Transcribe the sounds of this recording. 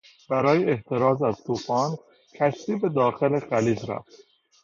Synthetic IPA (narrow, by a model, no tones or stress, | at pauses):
bæɾɒːjeeht̪ʰe̞ɾɒːzæz̥t̪ʰuːfɒːn | cʰæʃt̪iːbe̞d̪ɒːxe̞le̞xæliːzɾæ̰ft̪